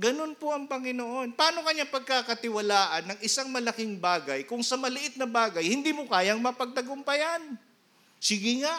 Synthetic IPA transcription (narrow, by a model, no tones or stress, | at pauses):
ɡɐno̞npoʔɐŋpɐŋɪnoʔo̞npɐaːno̞kɐɲapɐɡ̚kakɐt̪ɪwɐlaːʔɐnːɐŋʔɪsaŋmɐlɐkɪŋbaːɡɐjkʊŋsɐmɐlɪʔɪt̪̚nɐbaːɡɐjhɪnd̪iːmokaːjɐŋmɐpɐɡ̚t̪ɐɡʊmpɐjan | sɪɡɪŋaʔ